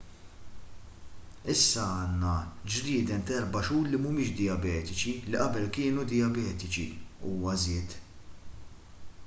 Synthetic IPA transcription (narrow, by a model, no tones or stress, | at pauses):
ɪsːɐɐːnːɐd͡ʒɾɪːd̪ɛnt̪ɛɾbɐʃuːɾlimʊmɪːʃd̪ɪjɐbɛːt̪ɪt͡ʃiliʔɐbɛlkɪːnud̪ɪjɐbɛːt̪ɪt͡ʃḭuːmɐzɪːt̪